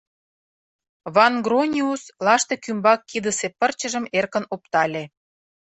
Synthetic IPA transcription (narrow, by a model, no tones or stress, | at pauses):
βɑnɡronʲiuslɑʃt̪ekymbɑkːid̪əsepərt͡ɕəʒə̆merkə̆nopt̪ɑlʲe